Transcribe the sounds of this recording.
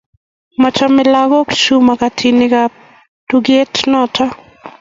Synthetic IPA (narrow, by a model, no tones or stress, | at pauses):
mɔt͡ʃɔmɪlaɡɔkt͡ʃumakatʰinɪka | tuɡetʰnɔtʰɔ